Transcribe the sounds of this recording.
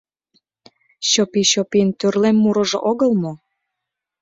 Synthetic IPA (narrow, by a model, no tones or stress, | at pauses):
ɕopiɕopiənt̪ørlemːuɾɤ̆ʒoʔoɣəlmo